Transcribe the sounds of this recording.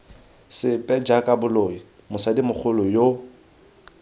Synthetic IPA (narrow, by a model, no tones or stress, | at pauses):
sɪpʼɛd͡ʒakʼabʊloi | mʊsadimʊk͡xʰʊlʊjo